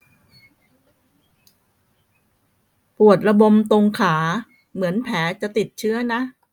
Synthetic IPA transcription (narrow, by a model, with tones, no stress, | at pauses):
pu˨˩ət̪̚ɾa˧bo˧mt̪o˧ŋkʰaː˩˦ | mɯ˩˦ənpʰɛː˩˦t͡ɕa˨˩ʔt̪i˨˩t̪̚t͡ɕʰɯ˦˥əna˦˥ʔ